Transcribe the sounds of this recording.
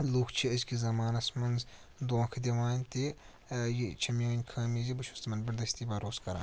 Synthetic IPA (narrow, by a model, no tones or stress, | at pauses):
luːkʰt͡ʃʰiɐzkizɐmaːnɐsmɐnz | d̪oːkʰd̪ʲiʋaːnʲt̪i | jit͡ʃʰɐmʲjoːnʲkʰɐːmizibɨʃʰust̪mɐnbɐɾd̪ɐsʲt̪ibɐːɾoːskɐɾã̰ːn